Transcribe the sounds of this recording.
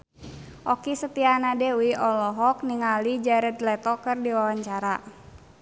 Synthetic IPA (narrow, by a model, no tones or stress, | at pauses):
ʔɔkisət̪ianadɛuiɔlɔɦɔk̚niŋalid͡ʒaɾət̪lɛt̪ɔkɨrdiwawaɲt͡ʃaɾa